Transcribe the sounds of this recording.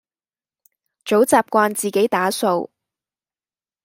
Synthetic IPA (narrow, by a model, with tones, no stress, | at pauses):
t͡so˨˥wt͡saː˨p̚kʷaː˧nt͡siː˨˩ke˨˥jt̪aː˨˥so˧w